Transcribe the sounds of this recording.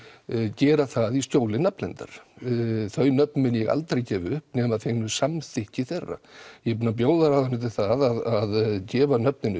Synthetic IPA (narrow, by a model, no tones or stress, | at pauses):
cɛːɾaθaðist̪joːwlɪnaplɛnt̪a̰ɾ̥ | θœɥnœpnmɪnjɛɣa̰lt̪ɾejcɛːvʏhpnɛːmaðθeɣnʏsamθɪhcɪθɛrːa̰jɛpuːnap̬joːwðaɾaðanːʏt̪ʰɪlθaðaðaðcɛːvanœp̚nɪnʏ